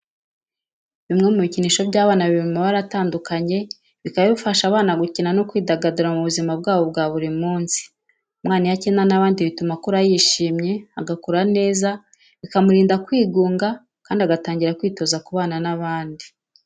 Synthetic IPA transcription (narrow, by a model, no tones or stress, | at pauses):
βimŋe̞muβiciniːʃo̞bɟaːβaːnaβiβumaβaɾataːndukaɲe̞ | βikaβeβufaʃaβaːnaɡucinano̞kwiːdaɡaduɾamuβuzimab̚ɡaːβo̞b̚ɡaːβuɾimuːnsi̥ | umŋaːnijacenanaβaːndiβitumakuɾajiʃiːmɲe̞aɡakuɾane̞ːza | βikamuɾiːndakwiːɡuːŋɡa | kaːndiaɡataːɲɟiɾakwiːto̞zakuβaːnanaβaːndi